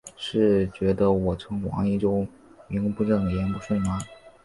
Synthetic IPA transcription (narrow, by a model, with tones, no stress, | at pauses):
ʂɻ̩˥˩t͡ɕɥɛ˧˥d̪ə˧wɔ˨˩ʈ͡ʂʰɤ˧˥ŋwɑ̰˧˥ŋi˥˧˩ʈ͡ʂo˥ʊ | mi˧˥ŋpu˧˥ʈ͡ʂɤ˥˩ŋd̪ə˩jɛ˧˥npu˧˥ʂwe˥˩ɪma˧˩